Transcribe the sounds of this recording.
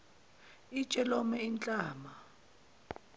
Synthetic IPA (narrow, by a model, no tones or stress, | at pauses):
it͡ʃʼɛlɔmɛint͡ɬʼaːma